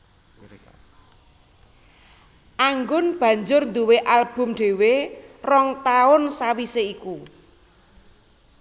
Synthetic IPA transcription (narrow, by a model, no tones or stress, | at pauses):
ʔaŋɡʊnb̥ä̤ɲd͡ʒʊrnd̪uweʔalb̥ʊ̤mɖ̥e̤werɔŋt̪aʊnsawiseiku